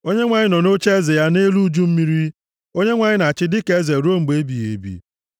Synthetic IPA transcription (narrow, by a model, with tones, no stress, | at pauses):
o˦ɲe˦ŋʷa˨ɲɪ˦nɔ˨no˦t͡ʃe˦ze˨ja˦ne˦lu˦d͡ʒu˦m̩˦mi˦ɾi˦ | o˦ɲe˦ŋʷa˨ɲɪ˦na˨t͡ʃɪ˦dɪ˦ke˦ze˨ɾu˦o˦ŋ͡m̩˨ɡ͡be˦bi˨jḛ˨˦bḭ˦